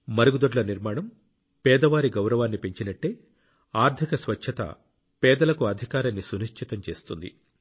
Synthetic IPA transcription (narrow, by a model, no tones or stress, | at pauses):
mɐɾuɡud̪oɖlɐniɾmaːɳɐm | pɛːd̪ɐʋaːɾiɡɐwɾɐʋaːnːipeɲt͡ʃinɐʈːe̞ː | aːɾt̪ʰikɐsʋɐt͡ʃt͡ʃʰɐt̪ɐ̰ | pɛːd̪ɐlɐkuɐd̪ʱikaːɾɐnːisuniʃt͡ʃʰit̪ɐmt͡ʃe̞ːst̪und̪ḭ